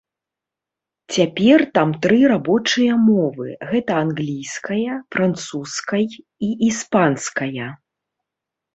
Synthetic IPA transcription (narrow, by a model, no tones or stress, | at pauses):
t͡sʲapʲɛrt̪amt̪ɾɨɾabɔt͡ʂɨjɐmɔvɨɣɛt̪ɐanɣlʲijskɐjɐfɾant̪suskɐj | iʔispanskɐjɐ